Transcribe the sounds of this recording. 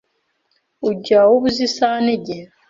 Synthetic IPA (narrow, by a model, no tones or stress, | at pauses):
uɟawoβuzisaneɟeɾa